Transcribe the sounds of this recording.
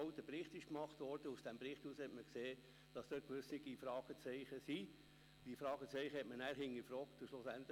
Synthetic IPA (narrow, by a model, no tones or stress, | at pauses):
ʊt̪əpɾɪχtɪʃkmɑχt̪ʋɔɾd̥əusd̥æmpɾɪχthuːshɛtməkseː | d̥ɑsd̥øːt̚kʋøsnɪɡifɾɑːɡ̥ət͡sɛɪχəsi | d̥ifɾɑːɡ̥ət͡sɛɪχəhɛtmənæːɾɦɪŋːəfɾɔːkt̪ʊʃlosænt̪